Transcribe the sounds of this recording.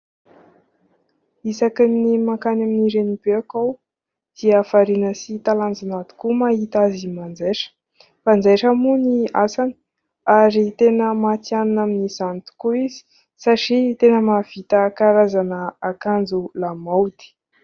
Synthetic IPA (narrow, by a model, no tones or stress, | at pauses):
isakinimakanaminiɾenibeakaw | d̪̥iafaɾinəsit̪aland͡zanat̪u̥kumaɦit̪azimand͡zeʂə̥ | fand͡zeʈ͡ʂəmuniasani̥ | aɾit̪enəmat͡sianunaminisant̪u̥kuizi̥ | saʈ͡ʂit̪enəmav̥it̪akaɾazanəakand͡zulamawd̪̥i̥